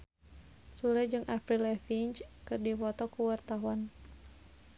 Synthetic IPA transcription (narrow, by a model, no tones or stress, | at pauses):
suɾɛd͡ʒɨŋʔapɾilɛfint͡ʃkɨrdifɔt̪ɔkuwart̪aɦuan